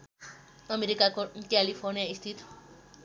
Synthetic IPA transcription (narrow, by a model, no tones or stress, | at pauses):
ɔmeɾikakokalifʰɔɾniaist̪ʰit̪ʰ